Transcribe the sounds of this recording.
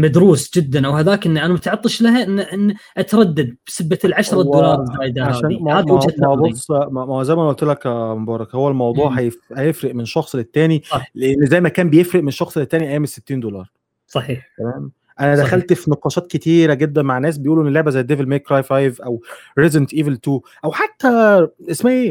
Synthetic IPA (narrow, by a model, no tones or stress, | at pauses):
mæd̪ɾuːsd͡ʒɪd̪ːænʔæwhæðaːkʔenːʔænæmæt̪ʕɑt̪ˤːɨʃlæɦæʔɪnːʔenːʔat̪ɾˤɑd̪ːad̪̚b̥sebːalʕaʃɾˤɑd̪olɑːɾˤzaːjd̪æʕaʃæːnmad̪æt̪æbosˤmæzæjmæʔʔolt̪elækmobɑːɾˤɑkhowːælmɑwd̪ˤuːʕħæjefhæjefɾeʔmenʃɑxsˤlet̪ːæːnileʔenːzæjmækæːmbejefɾeʔmenʃɑxsˤelet̪ːæːniʔæjæːmesːet̪ːiːnd̪olɑːɾˤ | sˤɑħiːħt̪æmæːm | ʔænæd̪æxælt̪fineqɑːʃɑːt̪ket̪iːɾæɡed̪ːænmaʕnːæːs̬bejʔuːluʔenːelːeʕbæzæjːd̪evelmeːkɾɑjfɑjvʔæwɾezent̪ʔiːvelt̪uː | ʔæwħat̪ːæʔesmæʔeː